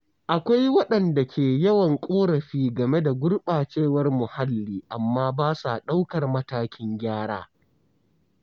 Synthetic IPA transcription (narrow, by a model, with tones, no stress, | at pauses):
ʔa˨kʷa˦jwɐ˦ɗɐ˨nda˨kʲʰeː˨jɐ˦wɐ˨ŋkʷʼoː˦ɽɐ˨ɸiː˦ɡɐ˨me˦da˨ɡʷʊ˦rɓaː˨t͡ʃeː˦˨wɐ˦rmʊ˨ha˦lːiː˦ʔa˨mːaː˦baː˦sa̰˨ɗa˦wkɐ˨rmɐ˦taː˦kʲɪ˦ŋɡʲaː˦ɽa̰ː˦